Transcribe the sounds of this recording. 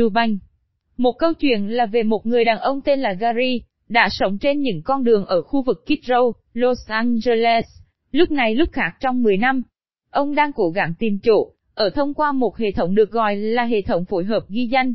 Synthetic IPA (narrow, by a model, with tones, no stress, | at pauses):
ɨ˧ɓa˧˩jŋ̟ | mo˨˩t̚kə˧wt͡ɕwḭ˧˨ənlaː˨˩ve˨˩mo˨˩t̚ŋɨ˨˩əjɗaː˨˩nʔə˧wŋ͡mt̪e˧nlaː˨˩ɣaː˧zi˧ | ɗa̰ː˧˥sə˨˦wŋ͡mt͡ɕe˧nɲɨ̰˧˥ŋkɔ˧nɗɨ˨˩əŋʔəː˧˩xu˧vɨ˨˩kːi˦˥t̚zə˧w | lo˧sʔaː˧nze˧lɛ˦s | lʊ˦˥k͡p̚na˨˩jlʊ˦˥p̚xaː˦˥k̚t͡ɕɔ˧wŋ͡mmɨ˨˩əjna˧m | ʔə˧wŋ͡mɗaː˧ŋko˧˦ɣa˧˩ŋt̪i˨˩mt͡ɕo̰˧˨ | ʔəː˧˩t̪ʰə˧wŋ͡mkwaː˧mo˨˩t̚hḛ˧˨t̪ʰə˨˦wŋ͡mɗɨ˨˩ək̚ɣɔ̰˧˨jlaː˨˩ɦḛ˧˨t̪ʰə˨˦wŋ͡mfo˨˦jɦəː˨˩p̚ɣi˧za˧jŋ̟